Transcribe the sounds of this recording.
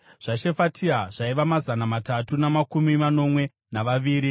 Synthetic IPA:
ʐ̥aʃe̞fatʰiaʐ̥aiʋamazanamatatunamakumimano̞mwe̞ | naʋaʋiːɾi

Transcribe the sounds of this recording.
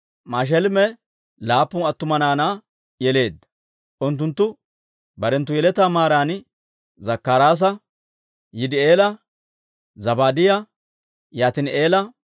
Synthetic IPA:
maːʃ̬ɛlmɛ | laːpːʊnɐt̪ːʊmɐnaːnaː | jɛle̞ːd̪ːɐ̥ | ʔʊnt̪ːʊnt̪ːʊ | bɐɾɛnt̪ːʊjɛlɛt̪ːaːmaːɾaːn | zɐkːaɾaːs̬ɐ | jɪd̪ɪeːlɐ | zɐbaːd̪ɪjɐ | jaːt̪ɪne̞ːlɐ

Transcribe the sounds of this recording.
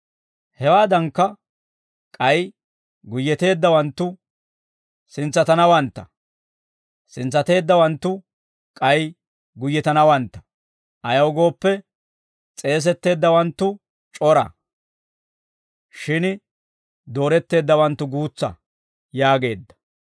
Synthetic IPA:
hɛwaːd̪ɐŋkːɐ | kʼɐj | ɡʊjːɛt̪e̞ːd̪ːɐwɐnt̪ːʊ | sɪnt͡sːɐt̪ɐnɐwɐnt̪ːɐ | sɪnt͡sːɐt̪e̞ːd̪ːɐwɐnt̪ːʊ | kʼɐj | ɡʊjːɛt̪ɐnɐwɐnt̪ːɐ̥ | ʔɐjɐwɡo̞ːpːɛ | t͡sʼe̞ːs̬ɛt̪ːe̞ːd̪ːɐwɐnt̪ːʊ | t͡ʃʼɔɾɐ̰ | ʃɪn | d̪o̞ːɾɛt̪ːe̞ːd̪ːɐwɐnt̪ːʊɡuːt͡sːɐ̰ | jaːɡe̞ːd̪ːɐ̥

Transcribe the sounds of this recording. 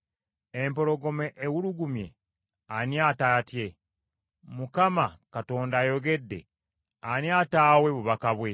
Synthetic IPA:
empo̞ɾo̞ɡo̞meʔːwuluɡumje̞̰ | aniaːtatje̞ | mukamakato̞ːndaːjo̞ɡe̞dːe̞̰ | aniaːtaːwe̞βuβakaβwe̞

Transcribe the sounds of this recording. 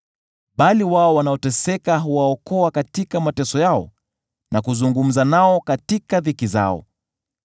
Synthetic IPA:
ɓaliwaɔwanaɔtɛsɛkaɦuwaɔkɔakatikamatɛsɔjaɔ̰ | nakuzuŋɡum̩zanaɔkatikavikiza̰ɔ̰

